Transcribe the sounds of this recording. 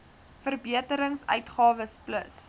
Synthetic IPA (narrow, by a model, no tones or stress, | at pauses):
fərbiətəɾəŋsœ̰ɥtχɑːvəspləs